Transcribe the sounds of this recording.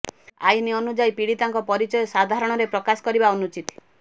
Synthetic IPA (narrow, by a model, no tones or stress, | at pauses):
ajniɔnud͡ʒajpiɽit̪aŋkɔpɔɾit͡ʃɔjɔsad̪ʱaɾɔɽ̃ɔɾepɾɔkasɔ̥kɔɾibaɔnut͡ʃit̪